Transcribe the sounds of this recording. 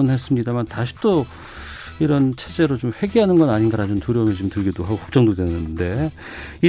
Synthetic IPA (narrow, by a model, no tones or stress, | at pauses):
nhe̞s͈ɯmɲidamantaɕʰi̥t͈o | iɾʌnt͡ɕʰe̞d͡ʑe̞ɾot͡ɕomɸwe̞ɡeɦanɯnɡʌnaɲinɡaɾad͡ʑomtuɾjʌmet͡ɕuomtɯɭɡidoɦaɡokʰʌ̥k̚t͡ɕ͈ʌŋdodwe̞nɯnde̞ | i